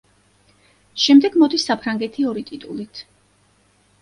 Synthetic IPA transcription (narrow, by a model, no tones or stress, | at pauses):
ʃɛmd̪ɛɡmɔd̪isːapʰɾaŋɡɛt̪ʰiɔɾit̪ʼit̪ʼulit̪ʰ